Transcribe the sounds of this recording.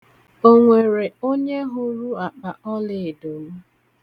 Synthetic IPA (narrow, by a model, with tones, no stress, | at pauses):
o˦ŋʷe˨ɾe˨o˦ɲe˦ɦʊ˦ɾu˦a˨k͡pa˨ʔɔ˦lɪ˨do˨m̩˦